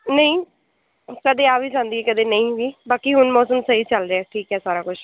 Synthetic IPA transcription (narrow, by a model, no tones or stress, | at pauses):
nəĩː | kəd̪eːaːʋʱiːsãːnd̪iːɛːkəd̪eːnəĩːʋiːbaːkiːɦʊnmɔːsəmsəiːt͡ʃəlɾeɛːʈʰiːkɦɛːsaːɾaːkʊt͡ʃʰ